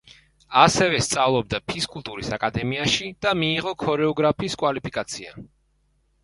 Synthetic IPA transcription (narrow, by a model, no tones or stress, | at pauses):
asɛvɛst̪sʼavlˠɔb̚d̪apʰiskʼulˠt̪ʼuɾisakʼad̪ɛmiaʃid̪̥amiːʁɔkʰɔɾɛɔɡɾapʰiːskʼwalipʰikʼat̪sʰia̰